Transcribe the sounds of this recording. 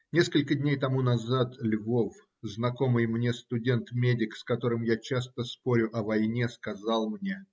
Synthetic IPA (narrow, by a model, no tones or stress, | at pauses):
nʲe̞skəlʲkədʲnʲejt̪ɐmunɐzat̪lʲvof | znɐko̞mɨjmnʲe̞st̪ʊdʲe̞nt̪mʲedʲɪkskɐt̪o̞ɾɨmjat͡ɕast̪əspo̞ɾʲʊʔɐvɐjnʲe̞skɐzɑlˠmnʲe̞